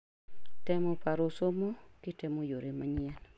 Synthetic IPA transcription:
tɛmɔpaɾosomokɪtɛmojoɾemaɲɪɛl

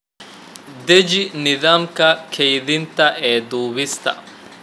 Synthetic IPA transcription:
d̪ɛd͡ʒɪnɪðaːmkɐkʰɛjd̪ɪnt̪ɐʔeːd̪uːβɪst̪ɐ̰

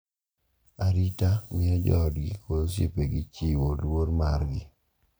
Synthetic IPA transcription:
aɾitamɪɛd͡ʒɔdɡɪkʰosjepeɡɪt͡ʃiwolwoɾmaɾɡɪ

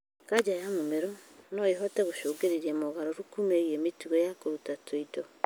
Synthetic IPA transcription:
kad͡ʑajamomeɾonoeɦɔteɣoʃoːɡeɾeɾiemoɣaɾoɾukumeiemitiɣojakoɾutatʰoido

